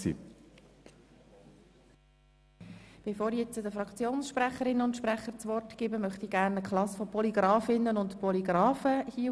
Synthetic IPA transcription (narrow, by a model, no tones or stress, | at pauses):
sḭː | b̥efoːɾijɛt͡sədəfɾɑkt͡sjoːnsʃpɾæχəɾɪnəʊntʃpɾæχəɾt͡sʋɔrtɡ̥ɪːbəmœχt̪iɡæɾnəkʰχlɑsfɔpʰɔliɡɾɑːfɪnːənʊntpɔliɡ̥ɾɑːfəhiə